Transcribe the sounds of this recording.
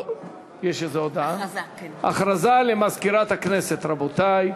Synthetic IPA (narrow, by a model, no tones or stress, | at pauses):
jeʃetzeod̪aaʔaχɾazalemazkiɾat̪hakneset̪ɾabot̪aj